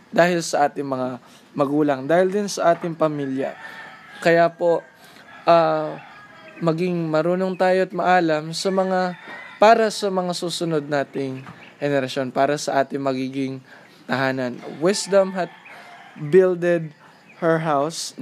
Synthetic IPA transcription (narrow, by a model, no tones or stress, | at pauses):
d̪aːhɪlsɐʔaːt̪ɪŋmɐŋa | mɐɡuːlɐŋd̪aːhɪld̪ɪnsɐʔaːt̪ɪŋpɐmiljɐ̰kɐjaːpo̞ | ʔaː | mɐɡɪŋmɐɾuːnoŋt̪aːjoɐt̪̚mɐʔaːlɐmsɐmɐŋapaːɾɐsɐmɐŋasuːsʊno̞d̪̚naːt̪ɪŋ | hɛnɛɾɐʃo̞npaːɾɐsɐʔaːt̪ɪŋmɐɡiːɡɪŋ | t̪ɐɦaːnɐnwɪsd̪ɐmɦɐt̪̚bɪld̪ɛd̪̚ | hɛɹɦaws